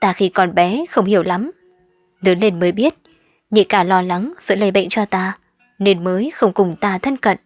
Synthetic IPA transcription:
t̪aː˧xi˧kɔ˨˩nɓɛ˨˦xə˧wŋ͡mhi˧˩əwla˨˦m | nɨ˨˦əle˧nməː˨˦jɓi˦˥ət̚ | ɲḭ˧˨kaː˧˩lɔ˧la˨˦ŋz̥ɨ̰˧˥lə˨˧˩jɓə̰˧˨jŋ̟t͡ɕɔ˧t̪aː˧ | ne˧nməː˨˦jxə˧wŋ͡mkʊ˨˩ŋ͡mt̪aː˧t̪ʰə˧nkə̰˧˨n

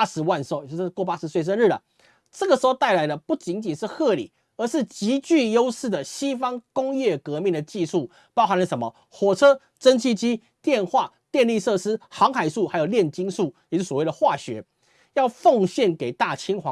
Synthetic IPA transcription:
a˥ʂɻ̩˧˥wa˥˧nʂo˥˩ʊ˧˥˧kwp̬a˥ʂɻ̩˧˥swe˥˩ɪʂ̬ə˥nɻ̩˥˩ə̰˩ | ʈ͡ʂɤ˥˩ɡə˩ʂɻ̩˧˥xo˧t̪a˥˩ɪla˧˦ɪlə˧pu˥˩t͡ɕi˧˥nt͡ɕi˨˩nʂɻ̩˥˧xɤ˥˧lḭ˨˩˦ | ə˧˦ʂɻ̩˥˩t͡ɕi˧˥t͡ɕy˥˩jo˥ʊʂɻ̩˥˩d̪ə˩ɕi˥fɑ˥ŋkʊ˥ŋjɛ˥˩kɤ˧˥mi˥˨ŋd̪ə˩t͡ɕi˥˧ʂu˥˩ | pɑ˥ʊxa˧˦nlə˩ʂə˧˦nmə˨ | xwɔ˨˩t͡sʰɤ˥ | ʈ͡ʂə˥nt͡ɕʰi˥t͡ɕi˥ | t̪jɛ˥˧nxwa˥˩ | t̪jɛ˥˧nli˥˧ʂɤ˥˧ʂɻ̩˥xɑ˧˥ŋxa˨˩ɪʂu˥˩xa˧˥ɪjo˨˩ʊljɛ˥˨nt͡ɕi˥nʂu˥˩jɛ˨t͡ɕo˥˩swwe˥˩ɪd̪ə˩xwa˥˩ɕɥɛ̰˧˥ | jɑ˥˧ʊfo˥˧ŋɕjɛ˥˩nke˨˩ɪt̪a˥˩t͡ɕʰi˥ŋxwɑ˨˦

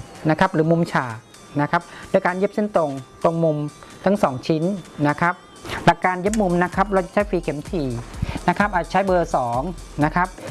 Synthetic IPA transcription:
na˦˥kʰa˦˥p̚ɾɯː˩˦mu˧mt͡ɕʰaː˨˩ | na˦˥kʰa˦˥p̚doː˧˨jkaː˧nje˦˥p̚si˥˩nt̪o˧ŋt̪o˧ŋmu˧mt̪ʰa˦˥˩ŋsɔː˩˦ŋt͡ɕʰi˦˥nːa˦˥kʰa˦˥p̚ | la˨˩kːaː˧nje˦˥p̚mu˧mna˦˥kʰa˦˥p̚ɾɔː˧t͡ɕa˨˩t͡ɕʰa˦˥jfiː˧kʰe˨˩˦mt̪ʰiː˨˩na˦˥kʰa˦˥p̚ʔaː˨˩a˩t͡ɕʰjbɤː˧sɔː˩˦ŋna˦˥kʰa˦˥p̚

